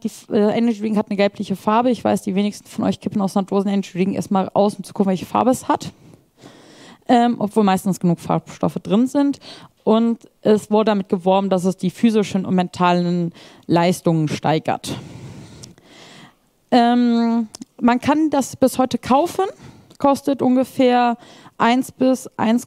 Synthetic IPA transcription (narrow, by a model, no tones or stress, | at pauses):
d̥iːfd̥asʔɛnɐɡivɪŋhatnəɡɛlpʰlɪçəfaɐbəɪçv̥a̰ɪsd̥iːveːnɪçstn̩fɔnʔɔ̰ʏçkʰɪpn̩aʊsadoːzn̩ɛnɐɡiʁɪŋḛɐstmaːlʔa̰ʊsʊmt͡su̥kʰʊk̩vɛlçə̥fa̰ɐbəɛshat | ʔɛːmʔɔ̰pv̥oːlmaɪstn̩sɡ̥ənuːkfa̰ɐpʃtɔ̰fədʁɪnzɪntʔʊntʔɛsv̥ʊɐɾədamɪt̚ɡ̥əvɔɐbm̩das̬ɛsd̥iːfyːzɪʃən̩ʊ̰ntmɛntʰaːlən | laɪstʊŋənʃta̰ɪɡɐ̰t | ʔɛːm | mankʰandasb̥ɪshɔʏtəkʰaʊfən | kʰɔstətʔʊnɡəfeːɐʔaɪnsb̥ɪsʔa̰ɪns